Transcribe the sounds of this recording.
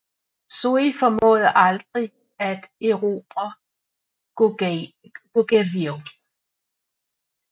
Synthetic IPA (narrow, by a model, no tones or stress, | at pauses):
soifɒmɔ̰̽ːðˠɐʔɑ̈ld̥ʁi | æd̥eʊʁo̝ːb̥ɐ | ɡ̥oɡ̥æʋio